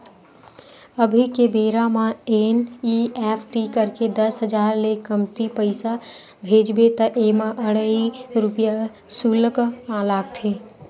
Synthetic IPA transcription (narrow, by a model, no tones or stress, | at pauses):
əbʱikebeːɾamãeniepʰʈikəɾked̪əsɦəd͡ʒaːɾlekəmt̪ipəɪsa | bʱeːd͡ʒbet̪əʔemãʔəɽəiɾʊpja | suləkmãlaːɡ̚t̪ʰe